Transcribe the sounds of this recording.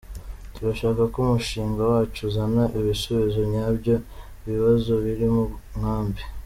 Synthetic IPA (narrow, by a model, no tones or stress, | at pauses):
tuɾaʃaːkakumuʃiːŋɡawaːt͡ʃuzanaʔiβisoβizo̞ɲabjo̞ | iβiβazo̞βiɾimuŋ̥aːmbi